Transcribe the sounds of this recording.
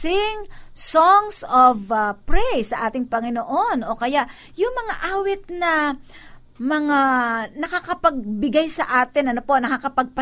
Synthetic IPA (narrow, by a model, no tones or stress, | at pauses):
ɪŋsoŋsovɐpɹɛjsɐʔaːt̪ɪŋpɐŋɪnoʔo̞nʔo̞kɐjaʔ | jʊŋmɐŋaʔaːwɪt̪̚nɐ | mɐŋanɐkakɐpɐɡ̚bɪɡajsɐʔaːt̪ɪnʔɐnopo̞nɐkɐkɐpɐɡ̚pɐ